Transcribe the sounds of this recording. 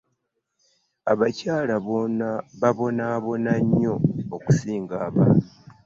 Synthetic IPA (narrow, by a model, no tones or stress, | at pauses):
aβacaːlaβo̞naβaβo̞naːβo̞naɲːo̞ːku̥siːŋɡaːβa̰ːnu